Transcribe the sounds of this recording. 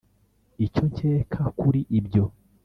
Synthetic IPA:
ico̞ɲceːkʰakuɾiʔibɟo̞

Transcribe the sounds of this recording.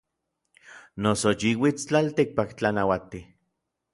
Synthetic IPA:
nosot͡ʃiwit͡st͡ɬalt̪ik̚pakt͡ɬanawat̪i

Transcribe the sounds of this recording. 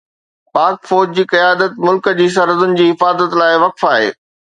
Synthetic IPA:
paːkfɔːd͡ʑd͡ʑiːkɐjaːd̪ət̪̚mʊlkəd͡ʑiːs̬ɐɾəzʊnɪ̆d͡ʑiːɦɪfaːzət̪laːɪʋɐkfaːɦḛː

